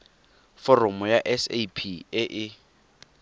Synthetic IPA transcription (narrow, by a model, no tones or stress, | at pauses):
fɔrɔmʊjaʔɛsḛpʰiɪʔɪ